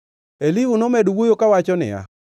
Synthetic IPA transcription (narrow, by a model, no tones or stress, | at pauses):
elɪɦunomɛdwojokawat͡ʃɔnɪ̰a̰